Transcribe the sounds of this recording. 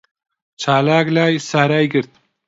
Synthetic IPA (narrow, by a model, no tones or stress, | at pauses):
t͡ʃʰaːlaːɡlaːjsaɾajɡɨɾt̪̚